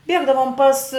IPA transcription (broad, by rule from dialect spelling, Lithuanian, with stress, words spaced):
ˈbʲiɛɡdɐʋoːm pɐs